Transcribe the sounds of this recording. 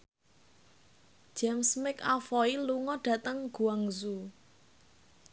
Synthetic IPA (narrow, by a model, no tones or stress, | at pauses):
ʒ̥ɛmsmɪkafɔiluŋɔɖ̥ä̤t̪əŋɡ̥ṳaŋzu